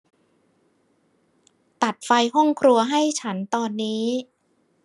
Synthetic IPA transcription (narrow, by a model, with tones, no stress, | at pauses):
t̪a˨˩t̪̚fa˧jɦɔ˥˩ŋkʰɾu˧ɐɦa˥˩jt͡ɕʰa˦˥nt̪ɔː˧nːiː˦˥